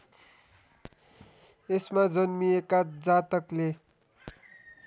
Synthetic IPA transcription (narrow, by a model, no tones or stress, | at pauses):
esmad͡zʌnmiekad͡zat̪ʌkle